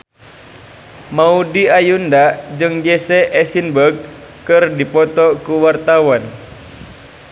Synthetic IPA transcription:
maudiajundad͡ʒɨŋd͡ʒɛsɛʔɛsinbəɡ̚ | kɨrdipɔt̪ɔkuwart̪awan

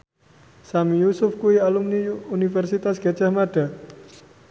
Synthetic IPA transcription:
samijusʊfkuialumniunifɛrsit̪asɡ̥ḁd͡ʒahmaɖ̥a̤

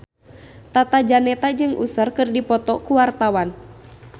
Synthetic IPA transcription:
t̪at̪ad͡ʒanɛt̪ad͡ʒɨŋʔṵsərkɨrdipɔt̪ɔkuwart̪awan

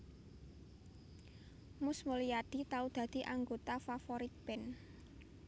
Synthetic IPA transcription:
mʊsmulijaɖ̪̥it̪aud̪̥a̤d̪̥i̤ʔaŋɡot̪afafoɾit̪̚b̥ɛn

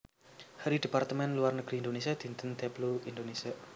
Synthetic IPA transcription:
haɾid̥e̤part̪əmɛnluarnəɡ̥ɾiind̪onesiad̪̥i̤nt̪ənt̪ɛbluind̪onesia

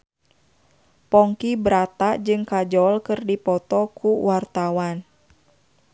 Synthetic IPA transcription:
pɔŋkibɾat̪aʔd͡ʒɨŋkad͡ʒɔlkɨrdipɔt̪ɔkuwart̪awan

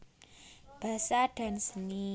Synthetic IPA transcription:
b̥a̤saɖ̥a̤nsəni

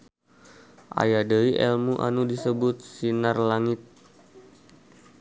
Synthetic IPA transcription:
ʔa̰jadəiʔɛlmuʔa̰nudisəbʊt̪̚sinarlaŋɪt̪̚

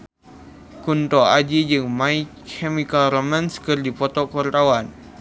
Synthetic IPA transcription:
kunt̪ɔad͡ʒid͡ʒɨŋmaikʰɛmikalɾɔmanskərdipɔt̪ɔkɔrt̪awan

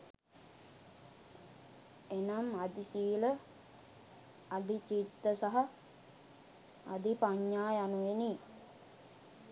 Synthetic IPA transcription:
enamad̪isiːlə | ad̪it͡ʃit̪ːəsaɦa | d̪ipaɲːaːjanuʋeniː

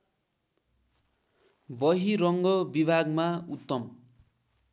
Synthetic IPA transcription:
bʌɦiɾʌŋɡʌbibʱaɡmaut̪ːʌm

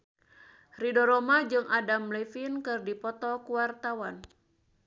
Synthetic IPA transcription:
ridɔɾɔmad͡ʒɨŋadamlɛfinkɨrdipɔt̪ɔkuwart̪awan

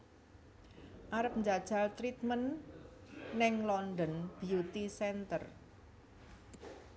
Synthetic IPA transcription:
ʔaɾəp̚nd͡ʒad̥ʒ̥a̤lt̪ɾit̪̚mənː | ɪŋlɔnd̪ənb̥iut̪isɛnt̪ər

